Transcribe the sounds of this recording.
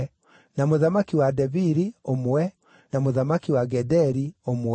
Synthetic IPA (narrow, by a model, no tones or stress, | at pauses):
namoðamakiwadɛviɾiomwɛ | namoðamakiwaɡɛdɛɾiomw